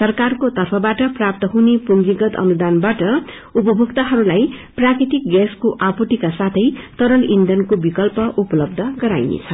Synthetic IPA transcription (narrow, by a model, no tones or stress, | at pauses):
sʌrkarkot̪ʌrpʰʌbaʈʌprap̚t̪ʌɦunepund͡ziɡʌt̪ʌ̰nud̪anbaʈʌ | upʌbʱukt̪aɦʌɾulajprakɾit̪ik̚ɡaskoʔapuʈikasat̪ʰʌjt̪ʌɾʌlind̪ʱʌnkobikʌlpʌʔupʌlʌb̚d̪ʱʌɡʌɾajnḛt͡sʰʌ